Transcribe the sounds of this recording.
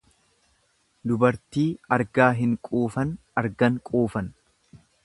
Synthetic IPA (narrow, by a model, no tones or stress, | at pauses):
d̪ʊbɐɾt̪iːɐɾɡaːɦɪŋkʼuːfɐn | ɐɾɡɐŋkʼuːfɐn